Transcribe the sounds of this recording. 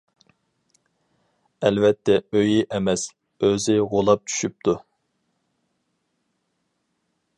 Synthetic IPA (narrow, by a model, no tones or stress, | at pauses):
ɛlvɛt̪ʰːɛøjiʔɛmɛs | øzɪʁolˠɑp̚t͡ʃʰy̥ʃyp̚t̪ʰu